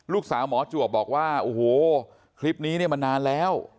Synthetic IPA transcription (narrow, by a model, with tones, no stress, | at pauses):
luː˥˩k̚saː˩˦wmɔː˨˩˦t͡ɕu˨˩əp̚bɔː˨˩k̚waː˥˩ʔo˨˧˩hoː˨˩ | kʰɾi˦˥p̚niː˦˥ni˥˩ɐma˧nːaː˧nlɛː˦˥w